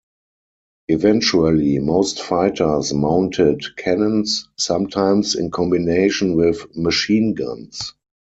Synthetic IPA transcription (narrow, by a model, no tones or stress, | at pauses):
ʔɪvɛ̃nt͡ʃuəlimoʊstfaɪtʰə˞smãʊ̃ntʰɪdkʰɛnə̃nsːãmtʰãɪ̃msɪ̰̃nkʰɔ̃mbineɪʃə̃nwɪðməʃĩːnɡã̰ns